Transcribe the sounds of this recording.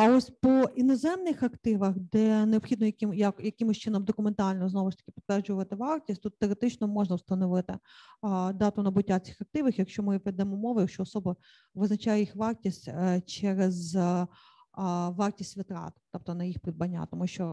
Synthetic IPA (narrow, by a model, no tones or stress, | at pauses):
ɐɔsʲpɔinɔzɛmnɪxɐkt̪ɪʋɐxd̪ɛneɔbpxʲid̪nɔjɐkɪmjɐkjɐkɪmʊsʲt͡ʃɪnɔmd̪ɔkʊment̪ɑlʲnɔznɔʋɪʃt̪ɐ̥kʲɪ̥pʲi̥t̪ʋɛrd͡ʒʊʋɐt̪ɪʋɑrtʲisʲtʲt̪ut̪ːeɾet̪ɪt͡ʃnɔmɔʒnɐwst̪ɐnɔʋɪt̪ɪ | d̪ɑt̪ʊnɐbʊtʲːat͡sʲɪ̥xɐk̚t̪ɪʋɪxjɐkʃt͡ʃɔmɪʋɛd̪ɛmɔmɔʋɐjɐkʃt͡ʃɔɔsɔbɐ | ʋɪznɐt͡ʃajɛjixʋɑrtʲisʲtʲt͡ʃɛɾez | ʋɑrtʲisʲtʲʋɪt̪ɾɑ̰t̪t̪ɔp̚t̪ɔnɐjixpɾʲid̪̚bɐnʲːa̰t̪ɔmuʃt͡ʃɔ